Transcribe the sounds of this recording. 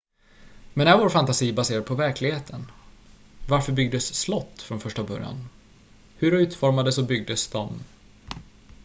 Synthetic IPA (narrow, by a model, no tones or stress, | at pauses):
mɛnæɾvoːɾfant̪asiːbaseːɾad̪̚pʰɔvæɾkʰlɪɡheːt̪ʰən | vaɾfœɾbʏɡ̚d̪əsːlɔt̪ːfɾɔnfœʂʈabœ̰ɾja̰n | hɵɾɔʉ̟ːt̪fɔɾmad̪əsɔbʏɡ̚d̪əsd̪ɔm